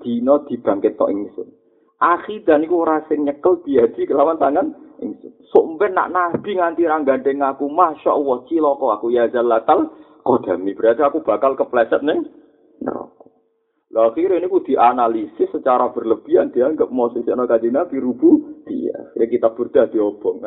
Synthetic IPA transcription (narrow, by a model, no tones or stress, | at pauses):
d̪̥i̤nɔd̪̥i̤b̥a̤ŋkɪt̪ːɔ̰ʔiŋsʊ̰n | ʔaxid̪̥a̤nikuɾasɪŋɲəkəld̪̥i̤ad̪̥i̤kəlamant̪aŋanʔḭŋsʊ̰nsoʔmpɪnːa̰ʔnab̥i̤ŋant̪iɾaŋɡaɳʈɛŋakumaʃɔ̰ʔwɔt͡ʃilɔkɔakujazalat̪al | kɔd̪̥a̤mib̥əɾat̪aakub̥a̤kalkəplɛsət̪̚nɪŋ | nə̰lɔ̰kɔ | loaxiɾenikud̪̥i̤ʔanalisɪsːət͡ʃaɾab̥ə̤rləb̥i̤and̪̥iaŋɡəp̚mɔsisiɔnɔkad͡ʒinab̥iɾub̥ud̪̥ḭa̰xiɾekit̪ab̥ərd̪̥ad̪̥i̤ɔb̥ɔ̤ŋ